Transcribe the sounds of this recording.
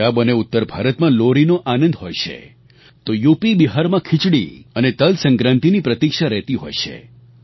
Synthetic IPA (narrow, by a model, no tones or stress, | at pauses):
abəneʊt̪ːəɾbʱaɾət̪mãloɾinoʔanə̃nd̪ɦojʃḛ | t̪ojupibiɦaɾmãkʰɪt͡ʃɽḭənet̪əlsə̃ŋkɾãnt̪inipɾət̪ikʃaɾɛɦt̪iɦo̰jʃḛ